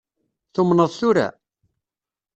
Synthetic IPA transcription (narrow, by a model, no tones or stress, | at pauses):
θumnəðˤθʊɾa̰